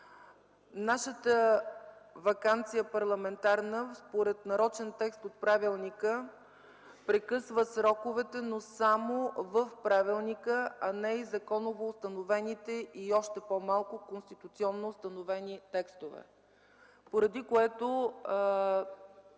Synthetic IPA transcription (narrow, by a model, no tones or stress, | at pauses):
naʃət̪ə | vɐkant̪sijəpɐɾlˠɐmɛnt̪aɾnəspoɾɛt̪nɐɾɔt͡ʃɛnt̪ɛkst̪ot̪̚pɾavilˠnikə | pɾɛkɤsvəsɾɔkovɛt̪ɛnosamovəfpɾavilˠnikəɐnɛizɐkɔnovoːst̪ɐnovɛnit̪ɛiɔʃt̪ɛpɔmalˠkʊkonst̪it̪ut̪siɔnːost̪ɐnovɛnit̪ɛkst̪ovɛ̰ | poɾɐd̪ikoɛt̪o